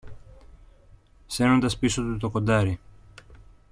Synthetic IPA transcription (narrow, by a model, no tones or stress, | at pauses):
se̞no̞nd̪ɐspisot̪ut̪okond̪ɐɾi